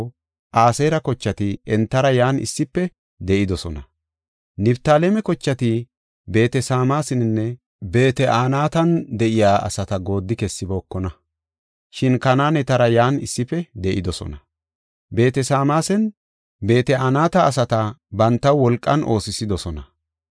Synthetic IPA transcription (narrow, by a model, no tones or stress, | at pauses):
ʔaːseːɾɐkɔt͡ʃːɐt̪ɪɛnt̪ːɐɾɐjaːnɪ̰sːɪpːɛ | d̪ɛʔɪd̪ɔsɔnɐ | nɪbt̪aːlemɛkɔt͡ʃːɐt̪ɪ | be̞ːt̪ɛsaːmaːsɪnɪnːɛ | be̞ːt̪ɛʔaːnaːt̪ɐnd̪ɛʔɪjaːʔɐ̰sɐt̪ɐɡo̞ːd̪ːɪkɛsːɪboːkːɔnɐ | ʃɪnkɐnaːnɛt̪ɐɾɐjaːnɪ̰sːɪpːɛd̪ɛʔɪd̪ɔsɔ̰nɐ | be̞ːt̪ɛsaːmaːsɛn | be̞ːt̪ɛaːnaːt̪ɐːsɐt̪ɐbɐnt̪ːɐwwɔlkʼːɐnʔo̞ːsɪsɪd̪ɔsɔnɐ